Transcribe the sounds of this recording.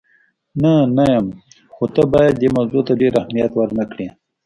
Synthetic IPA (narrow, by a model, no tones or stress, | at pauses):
nanajəm | xot̪əbɑjad̪̚ːemawzot̪aɖeɾahmijat̪wəɾnəkɽi